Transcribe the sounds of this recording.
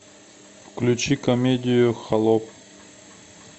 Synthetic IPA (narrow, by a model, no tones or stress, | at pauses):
fklʲʉt͡ɕikɐmʲedʲɪjʊxɐlˠɔp̚